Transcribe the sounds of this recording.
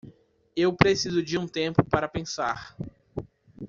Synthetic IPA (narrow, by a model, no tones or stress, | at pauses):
ewpɾesizʊd͡ʒɪũt̪ẽmpʊpaɾɐpẽsaɾ